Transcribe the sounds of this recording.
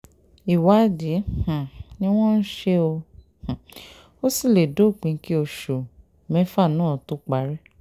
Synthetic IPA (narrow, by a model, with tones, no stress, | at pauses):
i˨wa˨˦di˨˦h̩˨nĩ˦w̃ɔ̃˦n̩˦ʃe˦o˧ | h̩˨ | o˦si˦˨le˨do˨˦˨k͡pĩ˨˦ki˦o˧ʃo˨ | mɛ̃˦fa˦˨nãː˦˨to˨˦k͡pa˨˦ɾɛ˦